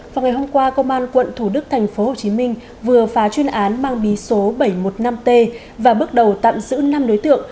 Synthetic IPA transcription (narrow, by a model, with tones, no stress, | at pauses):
vaː˨˩ŋa˨˩jho˧mkwaː˧kə˧ŋ͡mʔaː˧nkwə̰˧˨nt̪ʰu˧˩ɗɨ˦˥k̚t̪ʰŋ̟fo˨˦ho˨˩t͡ɕi˨˦mï˧ŋ̟ | vɨ˨˩əfaː˨˦t͡ɕwi˧ənʔaː˨˦nmaː˧ŋɓi˨˦so˨˦ɓə˧˩jmo˨˩t̚na˧mt̪e˧ | vaː˨˩ɓɨ˦˥ək̚ɗə˨˩wt̪a̰ː˧˨mzɨ̰˧˥na˧mɗo˨˦jt̪ɨ̰˧˨əŋ